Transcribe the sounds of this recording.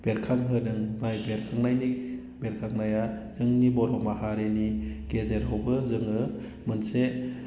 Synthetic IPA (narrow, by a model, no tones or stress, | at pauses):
b̥eɾkʰaŋɦɯdɯŋvajbeɾkʰaŋnajni | beɾkʰaŋnajazɯŋnibɔɾɔwmahaɾenikezeɾawbɯzɯŋɯ | mɯnse